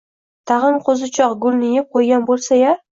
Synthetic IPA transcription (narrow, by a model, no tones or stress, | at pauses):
t̪ʰɑʁɨnqʰozɪt͡ʃʰɒqɡʊlˠnɪjɪp̚qʰojɡʲanbolˠsaja